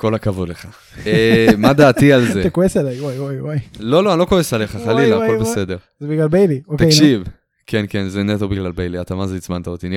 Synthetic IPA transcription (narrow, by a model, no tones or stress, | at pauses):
ko̞lakavodleχa | emad̪aːt̪ialzet̪ekoeselajwajwajwajlo̞loanloko̞esale̞χaχalilakobesed̪eʁzebiɡlalbejliokt̪aekʃiv | kʰenkenzenet̪obiɡlalbejliatamazeit͡smantaot̪inja